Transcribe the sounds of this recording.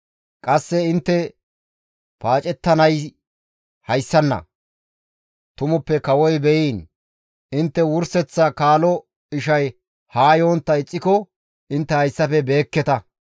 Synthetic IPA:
kʼɐsːɛɪnt̪ːɛ | paːt͡ʃʼɛt̪ːɐnɐj | hɐjsːɐnːɐ̰ | t̪ʊmʊpːɛkɐwɔjbɛjiːn | ɪnt̪ːɛwʊɾsɛt͡sːɐkaːlɔ | ɪʃɐj | haːjo̞ːnt̪ːɐɪt͡sʼːɪkɔ | ɪnt̪ːɛhɐjsːɐfɛbe̞ːkːɛt̪ɐ

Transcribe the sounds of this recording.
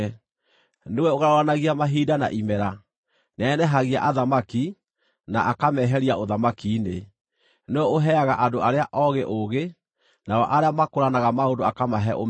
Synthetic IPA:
newɛoɣaɾaoɾanaɣiamaɦiːdana̰ʔimɛɾa | nɛːnɛɦaɣia̰ʔaðamaki | naʔakamɛɦɛɾiaʔoðamakiːne | neɛoɦɛaɣaʔadoaɾeaʔɔɣeʔoɣe | naɔʔaɾeamakoɾanaɣamaondoakamaɦɛʔo

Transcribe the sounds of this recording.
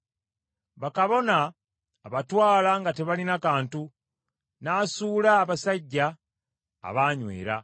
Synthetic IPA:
βakaβo̞naː | βatwaːlaŋɡate̞βalinakaːntu | naːsuːlaːβasaɟːa̰ː | βaːɲwḛːɾa

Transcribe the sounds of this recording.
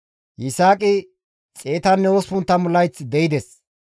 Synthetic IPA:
jɪsaːkʼɪ | t͡sʼeːt̪ɐnːɛospʊnt̪ːɐmʊlːɐjt͡sd̪ɛjɪd̪ɛs

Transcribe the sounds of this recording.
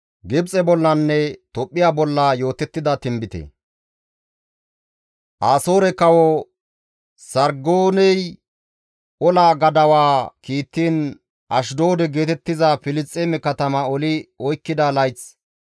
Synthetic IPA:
ɡɪbt͡sʼɛbɔlːɐnːɛt̪ɔpʼːɪjaːbɔlːajo̞ːt̪ɛt̪ːɪd̪ɐt̪ɪmbɪt̪ḛ | ʔaːso̞ːɾɛkɐwɔ | sɐɾɡoːnɛj | ɔlaːɡɐd̪ɐwaːkiːt̪ːiːn | ʔɐʃd̪o̞ːd̪ɛɡe̞ːt̪ɛt̪ːɪzɐfɪlɪst͡sʼːeːmɛkɐt̪ɐmɐɔlɪɔjkːɪd̪ɐlɐjt͡s

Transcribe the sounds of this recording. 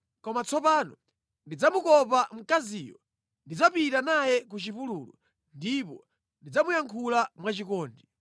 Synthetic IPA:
kɔmat͡sʰɔpaːnɔ | ndid͡zamukɔpam̩kaziːjɔ | ndid͡zapitanajɛk̬ut͡ʃipuluːlṵ | ndipɔ | ndid͡zamujaŋkʰulamwat͡ʃikɔːndi

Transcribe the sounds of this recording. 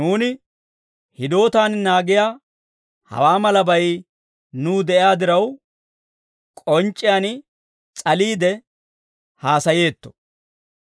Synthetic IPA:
nuːnɪ | hɪd̪o̞ːt̪aːnnaːɡɪjaː | hɐ̰waːmɐlɐbɐj | nuːd̪ɛʔɪaːd̪ɪɾɐw | kʼɔnt͡ʃʼːɪjaːn | t͡sʼɐliːd̪ɛ | haːsɐje̞ːt̪ːɔ̥

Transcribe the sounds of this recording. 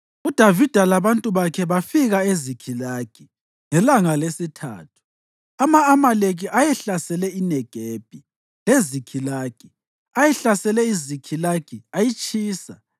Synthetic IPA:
ud̥ʱavid̥ʱalaβantʼuβakʰɛβafiɣaezikʰilaːɡ̥ʱʼi | ŋɛlaŋalesitʰa̰ːtʰu̥ | amaːmaleɣ̬iʔajɛɬasɛlɛinɛɡ̥ʱeːb̥ʱi | lezikʰilaːɡ̥ʱʼi | ajɛɬasɛlɛizikʰilaɡ̥ʱʼiajit͡ʃʼiːsa̰

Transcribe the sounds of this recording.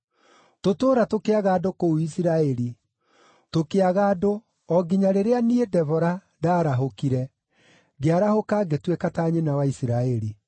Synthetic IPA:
totoːɾatokeaɣaːdokouisiɾaɛɾi | tokeaɣaːdo | ɔɡiɲaɾeɾeaniedɛvɔɾa | daːɾaɦokiɾɛ | ɣeaɾahokaːɡetwekataːɲenawaisiɾaɛɾi

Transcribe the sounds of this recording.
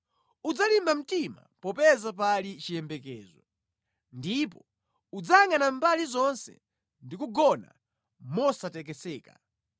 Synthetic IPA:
ud͡zalimbam̩tima̰ | pɔpɛzap̬alit͡ʃijɛmbɛkɛːzɔ | ndipɔ | ud͡zaŋanambalizɔnsɛ̰ | ndikuɡɔna̰ | mɔsatɛk̬ɛsɛːka

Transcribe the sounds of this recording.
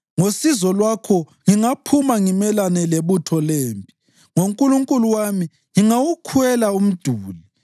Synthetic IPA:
ŋosizɔlwakʰɔ | ŋiŋapʰumaŋimɛlanɛleβutʰɔleːmpʼi̥ | ŋoŋkʼuluŋkʼuluwami | ŋiŋawukʰuɛlaum̩d̥ʱuːli

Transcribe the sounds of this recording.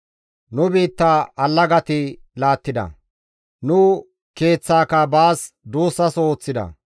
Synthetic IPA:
nʊbiːt̪ːaɐlːɐɡɐt̪ɪlaːt̪ːɪd̪ɐ̰ | nʊ | ke̞ːt͡sːaːkɐbaːs | d̪uːsːɐsoːt͡sːɪd̪ɐ̰

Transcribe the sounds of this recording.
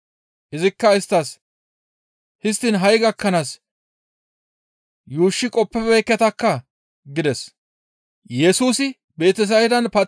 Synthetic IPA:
ʔɪzɪkːɐɪst̪ːɐs | hɪst̪ːɪnɦɐjɡɐkːɐnaːs | juːʃːɪkʼɔpːɛbɛːkːɛt̪ɐkːɐ | ɡɪd̪ɛs | jɛsuːsɪ | be̞ːt̪ɛs̬ɐwɪd̪ɐnpɐ

